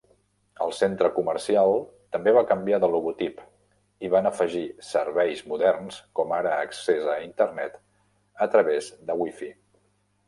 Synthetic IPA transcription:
ə̰lˠsent̪ɾəkumərsialˠt̪əmbeβakəmbiaðəluɣut̪ip | iβanəfəʒisəɾβɛjzmuðɛrnskɔmaɾəːksezəint̪ərnɛt̪ | ət̪ɾəβezd̪əɣwifi

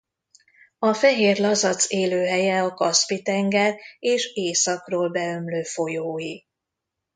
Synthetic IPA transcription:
ɒfɛɦeːrlɒzɒt̪seːløːɦɛjɛɒkɒspit̪ɛŋɡɛreːʃeːsɒkroːlbɛømløːfo̞joːji

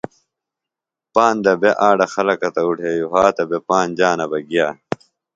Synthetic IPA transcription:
paːnd̪ɐbeʔaːɖɐxɐlɐkɐt̪ɐuʈʰejuɦaːt̪ɐbepaːnd͡ʑaːnɐbɐɡijaː

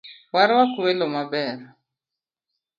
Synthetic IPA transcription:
waɾwakuwelomabɛɾ

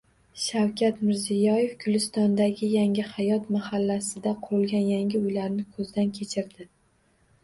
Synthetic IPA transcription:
ʃawkʲʰat̪mɪɾzɪjɒje̞fɡʊlɪst̪ɒnd̪aɡʲɪjaŋʲɪhajɒt̪mahalːasɪd̪aqʰʊɾɪlɡʲanjaŋʲɪʊjlaɾnɪkʰɵzd̪ankʲʰe̞t͡ʃʰɪɾd̪ɪ

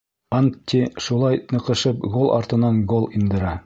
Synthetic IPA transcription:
ɑnt̪ʲːiʃulˠɑjnɤ̆qɤ̆ʃɤpɡolˠʔɑ̰ɾt̪ɤ̆nɑnɡolˠind̪ɘ̆ɾæ

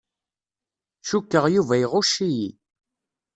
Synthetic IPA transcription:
ʃukːəʁjuvæjʁʊʃiji

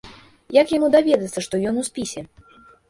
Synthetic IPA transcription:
jakjamud̪avʲɛd̪ɐt̪sːɐʂt̪ɔjɔnuspʲisʲɛ

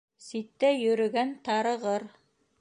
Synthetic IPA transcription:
sit̪ːæjɵ̆ɾɵ̆ɡænt̪ɑɾɤ̆ʁɤɾ

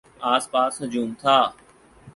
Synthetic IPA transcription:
aːspaːsɦʊd͡ʒuːmt̪ʰaː

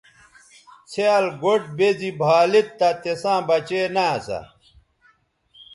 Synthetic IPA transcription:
t͡sʰealɡoʈ̚bed͡ʑibʱaːlit̪ːɐt̪esãːbɐt͡ɕeːnasa̰

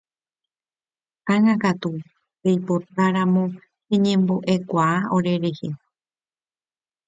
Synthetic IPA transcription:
aŋãkat̪u | pejpot̪̚aɾãmõ̞ | hẽɲẽ̞mboʔe̞kʷaaoɾe̞ɾe̞he

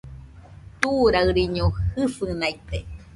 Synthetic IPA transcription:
t̪uːɾaɨɾiɲohɨfɨnajt̪e

